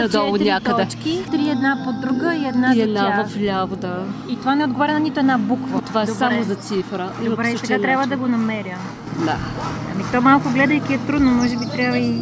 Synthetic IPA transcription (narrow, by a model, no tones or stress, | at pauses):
ɐd̪ɔonʲakəd̪ɛt͡ʃkit̪ɾiɛd̪napod̪ɾuɡəiɛd̪naiɛd̪navɐvlʲavod̪ait̪ovanɛod̪ɡovaɾʲɛnɐnit̪oɛd̪nabukvɐt̪ovaɛsamozɐt̪sifɾəibɾɛisɛɡat̪ɾʲabvəd̪ɐɡonɐmɛɾjə | d̪a̰ɐ̰mit̪ɔmalˠkʊɡlɛd̪əikʲiɛt̪ɾud̪nomɔʒɛbit̪ɾʲjabvəi